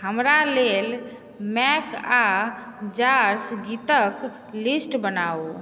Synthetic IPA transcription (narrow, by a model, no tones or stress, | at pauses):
həmɾalel | mɛkad͡ʒaɾsɡit̪ək | lisʈbənao